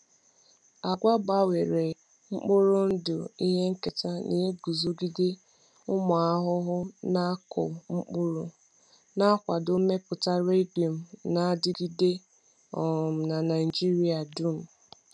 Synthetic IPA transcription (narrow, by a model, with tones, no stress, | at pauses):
a˨ɡʷa˦ba˦we˨ɾe˨ | ŋ͡m̩˦k͡pʊ˦ɾʊ˦n̩˦dʊ˨i˦ɦe˦ŋ̩˦ke˨ta˦nḭ˨ɦe˦ɡu˨zo˨ɡi˦dɪ˦ | ʊ˦mʊ˨a˦ɦʊ˦ɦʊ˦na˦kʊ̰˨ŋ͡m̩˦k͡pʊ˦ɾʊ˦ | na˦kʷa˨do˦me˦pʊ˨ta˦ɾe˦di˨o˨m̩˨na˨˦dɪ˦ɡi˦de˦ | ɔ˨m̩˨na˨na˨ɪ˨d͡ʒi˦ɾi˦a˨du˦m̩˨